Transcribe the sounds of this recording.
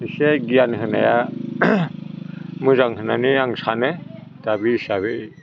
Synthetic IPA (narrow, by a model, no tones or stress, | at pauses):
iseɡijanɦɯna̰ja | mɯzaŋhɯnaniaŋsanɯd̥abisaβe